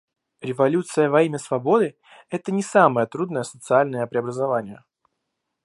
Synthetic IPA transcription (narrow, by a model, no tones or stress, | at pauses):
ɾʲɪvɐlʲut̪sɨjəvɐimʲəsvɐbo̞d̪ɨ | ɛt̪ənʲɪsaməjət̪ɾud̪nəjəsət̪sɨalʲnəjəpɾʲɪɐbɾəzɐvanʲɪjə